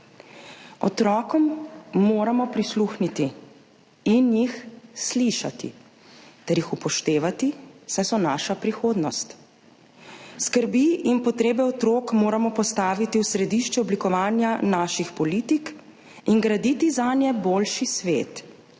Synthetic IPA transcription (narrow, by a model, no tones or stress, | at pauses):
ɔ̰t̪ɾɔːkɔmːoːɾamɔpɾisluxnit̪i | injixsliʃa̰t̪ḭ | t̪ɛɾjixupɔʃt̪eːʋat̪isɛjsɔnaːʃapɾixoːd̪nɔst̪ | skəɾbiʔinpɔt̪ɾeːbɛɔt̪ɾoːkmoːɾamɔpɔst̪aːʋit̪iwsɾɛd̪iːʃt͡ʃɛɔblikɔʋaːnjanaːʃixpɔliːt̪ik | iŋɡɾad̪it̪izanjɛboːlʃisʋeːt̪